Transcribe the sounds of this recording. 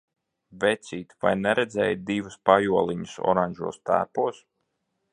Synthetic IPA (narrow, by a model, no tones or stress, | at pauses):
vɛt̪siːt̪vajnɛɾɛd̪zɛ̰ːjt̪̚d̪ivuspajuɔlˠiɲusɔ̰ɾaɲʲʒṵːst̪æ̰ːpuɔs